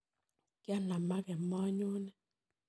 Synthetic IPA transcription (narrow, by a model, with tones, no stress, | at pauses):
kja˦˨na˨ma˦kɛ˨mɔ˦ɲo˦nɛ˦